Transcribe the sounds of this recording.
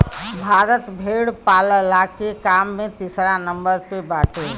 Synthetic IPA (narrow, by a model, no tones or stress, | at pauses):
bʱaɾət̪bʱeɽpaləlakekamːet̪isɾanəmbəɾpebaʈe